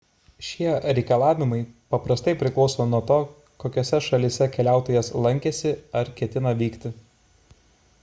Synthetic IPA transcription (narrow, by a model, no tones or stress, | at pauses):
ʃʲiɛɾʲɛɪkɐlˠɑːʋʲɪmɐɪpɐpɾɐst̪ɐɪpʲɾʲɪklˠɒʊsoːnuɔt̪oː | koːkʲoːsʲɛʃɐlʲɪsʲɛkʲɛlʲæˑʊt̪oːjɛslˠɐŋʲkʲɛsʲɪɐɾkʲɛt̪ʲɪnɐʋʲiːkt̪ʲɪ